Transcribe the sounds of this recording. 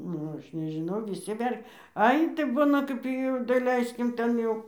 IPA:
ˈnʊ ˈɐʃ nʲɛʒʲɪˈnɐʊ ʋʲɪˈsʲɪ ʋʲɛrʲ ˈɐɪ tɐɪ ˈbʊnɐ ˈkɐp jɛʊ dɐˈlʲɛɪsʲkʲɪm ˈtʲɛn jɛʊ

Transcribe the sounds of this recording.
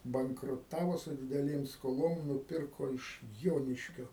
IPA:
bɐŋkrʊˈtɑːʋoː sʊ dʲɪdʲɛˈlʲeːm skoːˈlˠoːm nʊˈpʲɪrkoː ɪʃ ˈjoːnʲɪʃʲkʲoː

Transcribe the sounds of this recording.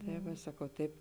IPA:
tɐɪ ˈʋɐ ˈsɑːkɐʊ ˈtɐɪp

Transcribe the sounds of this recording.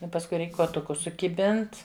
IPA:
ɪ pɐsˈkʊɪ ˈrʲɛɪk kuɔˈtʊkʊs sʊkʲɪˈbʲɪnt

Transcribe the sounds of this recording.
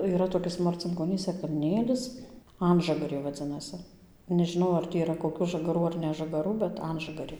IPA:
iːˈrɐ toːˈkʲɪs mɐrʲt͡sʲɪŋkoːˈnʲiːsʲɛ kɐlʲˈnʲeːlʲɪs ˈɐnʒɐɡɐrʲeː ʋɐˈd͡zʲɪnɐsʲɪ nʲɛʒʲɪˈnɐʊ ɐr ˈtʲiː iːˈrɐ koːˈkʲuː ʒɐɡɐˈruː ɐr nʲɛʒɐɡɐˈruː bʲɛt ˈɐnʒɐɡɐrʲeː

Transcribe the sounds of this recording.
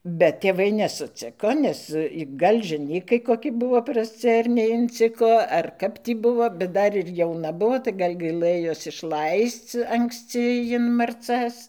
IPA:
bʲɛt tʲeːˈʋɐɪ nʲɛsʊˈt͡sʲɪkoː ˈnʲɛs ˈɡɐlʲ ʒʲɛˈnʲiːkɐɪ koːˈkʲɪ ˈbʊʋoː prɐsʲˈt͡sʲɪ ɐr nʲɛɪnʲˈt͡sʲɪkoː ɐr kɐp ˈtʲiː ˈbʊʋoː bʲɛt ˈdɐr ɪr jɛʊˈnɐ ˈbʊʋoː tɐɪ ˈɡɐlʲ ˈɡɐɪlˠɘjoːs ɪʃˈlˠɐɪst͡s ɐŋksʲˈt͡sʲɪ jɪn mɐrˈt͡sɐs

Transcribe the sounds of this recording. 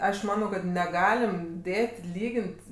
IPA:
ˈɐʃ ˈmɑːnɐʊ kɐt ˈnʲæːɡɐlʲɪm ˈdʲeːtʲ ˈlʲiːɡʲɪnʲtʲ

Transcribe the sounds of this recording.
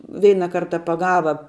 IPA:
ˈʋʲɛɪnɐ ˈkɐrtɐ pɐˈɡɑːʋɐ

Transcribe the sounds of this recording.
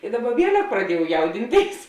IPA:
ɪ ˈdɑːˌbɐ ˈʋʲiɛlʲɛk prɐˈdʲiɛjɛʊ ˈjɛʊdʲɪnʲˌtʲeːɪs

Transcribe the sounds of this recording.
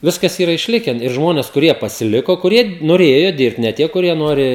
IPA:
ˈʋʲɪskɐs ˈiːrɐ ɪʃʲˈlʲɪkʲɛn ɪr ˈʒmoːnʲɛs kʊˈrʲiɛ pɐsʲɪˈlʲɪkoː kʊˈrʲiɛ noːˈrʲeːjoː ˈdʲɪrpt nʲɛ ˈtʲiɛ kʊˈrʲiɛ ˈnoːrʲɪ

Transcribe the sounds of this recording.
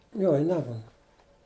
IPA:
ˈjoː ɪ ˈnʲæːmʊnɐ

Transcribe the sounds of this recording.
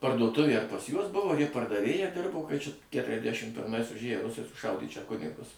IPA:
pɐrduɔˈtʊʋʲeː ɐr pɐs ˈjuɔs ˈbʊʋoː ɐr ˈjɪ pɐrdɐˈʋʲeːjɛ ˈdʲɪrboː kɐɪ t͡ʃʲɛ kʲɛtʲrʲɛzʲˈdʲæʃʲɪm pʲɪrˈmɐɪs ʊʒʲˈeːjoː ˈrʊsɐɪ sʊˈʃɐʊdʲeː t͡ʃʲɛ ˈkʊnʲɪɡʊs

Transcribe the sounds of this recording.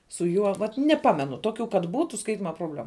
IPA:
sʊ ˈjuɔ ʋɐt nʲɛˈpɑːmʲɛnʊ ˈtoːkʲʊ kɐt ˈbuːtʊ ˈskɐɪtʲɪmɐ proːbʲˈlʲæːmʊ

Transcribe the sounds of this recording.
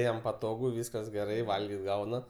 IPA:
ˈjɛm pɐˈtoːɡʊ ˈʋʲiːskɐs ɡʲɛˈrɐɪ ˈʋɐlʲɡʲɪt ˈɡɐʊnɐ

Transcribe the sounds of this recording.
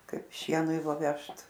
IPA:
ˈkɐɪp ˈʃʲiɛnʊɪ ʋɐ ˈʋʲɛʃt

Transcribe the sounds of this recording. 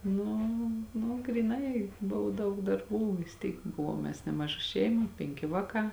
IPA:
nʊ nʊ ɡrʲiːˈnɐɪ ˈbʊʋoː ˈdɐʊk dɐrˈbuː ʋʲɪs ˈtʲiːk ˈbʊʋuɔm mʲɛs ˈnʲæːmɐˌʒɐ ˈʃʲɛɪmɐ ˈpʲɛŋʲkʲɪ ˈʋɑːˌkɑː

